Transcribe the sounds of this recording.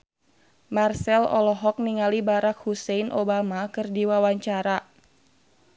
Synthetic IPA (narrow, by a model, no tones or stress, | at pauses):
marsɛlɔ̰lɔɦɔk̚niŋalibaɾak̚husɛinʔobamakɨrdiwawaɲt͡ʃaɾa